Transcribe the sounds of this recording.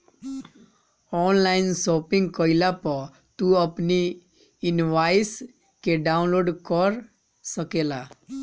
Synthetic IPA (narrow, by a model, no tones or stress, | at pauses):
ɔnlajnsopiŋɡkɔjlapɔ | t̪uɔpni | inʋajs | keɖaunloɖkɔɾ | sɔkela